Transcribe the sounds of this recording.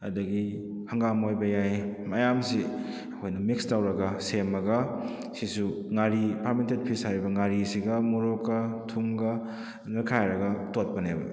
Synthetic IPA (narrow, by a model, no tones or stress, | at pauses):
ɐ̰dɐɡi | hɐŋɡamojbɐjajmɐjamsi | ɐkʰojnɐmikstawɾɐɡɐsemɐɡɐ | sisuŋaɾipʰamentet̚pʰisaɾibɐŋaɾisiɡɐmuɾokːɐtʰumɡɐ | nakʰajɾɐɡɐtot̚pɐnebɐ̰